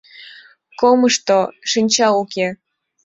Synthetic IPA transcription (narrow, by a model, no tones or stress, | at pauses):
koməʃt̪oʃɨnʲt͡ɕɑuke